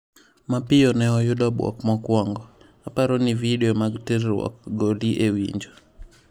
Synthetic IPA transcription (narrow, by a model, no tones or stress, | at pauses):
mapɪjɔnɛɔjʊdɔbwɔ̰kmɔkwɔŋɡɔ | apaɾɔnividɛɔmaɡtiɾwɔ̰kɡoliʔewḭɲd͡ʒo